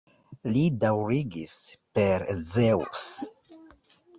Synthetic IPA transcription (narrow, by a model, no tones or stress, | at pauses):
lidawɾiɡispeɾzewṵs